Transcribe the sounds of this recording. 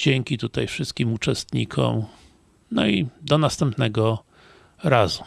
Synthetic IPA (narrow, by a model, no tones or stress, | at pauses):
d͡ʑɛŋʲkʲit̪ut̪ajfʂɘst̪̚kʲimut͡ʂɛst̪ɲḭkʰɔ̰m | nɔid̪ɔnast̪ɛmpnɛɡɔ | ɾazu